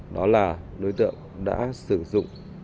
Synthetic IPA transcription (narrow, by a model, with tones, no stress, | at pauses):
ɗɔ˨˦laː˨˩ɗo˨˦jt̪ɨ̰˧˨əŋɗa̰ː˧˥sɨ˧˩zʊ̰˧˨ŋ͡m